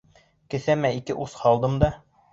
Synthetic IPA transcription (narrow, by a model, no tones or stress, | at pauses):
kɘ̆θæmæikɘʔushɑlˠd̪ɤmd̪ɑ